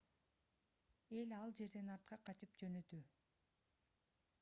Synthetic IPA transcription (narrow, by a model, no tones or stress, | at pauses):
e̞lɑlˠd͡ʒe̞ɾd̪e̞nɑɾt̪̚qɑqʰɑt͡ʃɯp̚d͡ʒø̞nøt̪y